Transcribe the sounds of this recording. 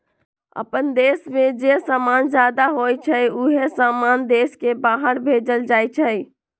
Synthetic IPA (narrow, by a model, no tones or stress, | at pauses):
ə̰pənd̪esmẽd͡ʒesamand͡ʒjad̪aɦojt͡ʃʰəjuɦesamand̪eskebaɦəɾbʱed͡ʒəld͡ʒajt͡ʃʰəj